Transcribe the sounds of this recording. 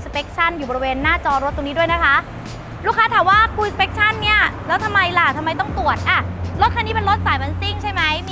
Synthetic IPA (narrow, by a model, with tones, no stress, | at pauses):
spe˦˥k̚t͡ɕʰa˥˩njuː˨˩bɔ˧ɾi˧weː˧nːaː˥˩t͡ɕɔː˧ɾo˦˥t̪̚ːoː˧niː˦du˥˩əjna˦˥kʰa˦˥ʔ | ɾuː˥˩kʰaː˦˥t̪ʰaː˩˦mwaː˥˩kʰuː˧spe˦˥k̚t͡ɕʰa˥˩nːi˥˩ɐlɛː˦˥wt̪ʰa˧mːa˧jla˨˩t̪ʰmːa˧jt̪ɔ˥˩ŋt̪u˨˩ət̪̚ʔa˧˩ɾo˦˥t̪̚kʰa˧nːiː˦˥pe˧nɾo˦˥t̪̚saː˩˦jma˧nsi˥˩ŋt͡ɕʰa˥˩jma˦˥j